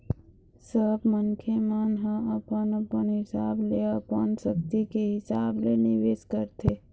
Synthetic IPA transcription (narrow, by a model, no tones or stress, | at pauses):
səbmənkʰemanɦə̃əpənəpənɦɪsableəpənsəkt̪ikeɦɪsablenɪʋeskəɾt̪e